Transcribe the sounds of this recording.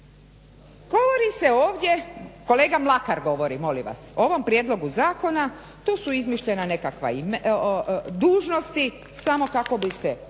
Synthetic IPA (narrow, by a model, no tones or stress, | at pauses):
ɡ̥o̞ʋoɾiseoːʋdʲje̞ko̞le̞ːɡamlˠakaɾɡo̞ʋo̞ɾimo̞lḭʋa̰sooʋo̞mpɾje̞d̪lo̞ɡuzaːko̞na | t̪oːsuizmiʃʎe̞nane̞kakʋa̰im | d̪uːʒno̞st̪i | samo̞kako̞bise